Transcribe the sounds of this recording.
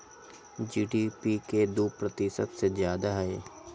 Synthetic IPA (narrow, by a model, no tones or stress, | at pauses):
d͡ʒiːɖiːpiked̪uːpɾət̪isəbsezjaːd̪aɦɛeː